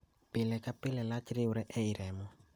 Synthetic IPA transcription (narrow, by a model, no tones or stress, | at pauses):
pɪlɛkʼapʼɪlɛlat͡ʃʼiɾiuɾɛʔeiɾɛːmɔ